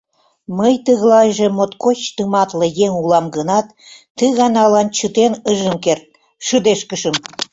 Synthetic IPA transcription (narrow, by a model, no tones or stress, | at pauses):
məjt̪əɣlɑjʒĕmot̪kot͡ɕt̪əmɑt̪lə̆jeŋulɑmɡənɑt̪ː | əɣɑnɑlɑnt͡ɕət̪enəʒəmkert̪̚ | ʃəd̪eʃkəʃə̆m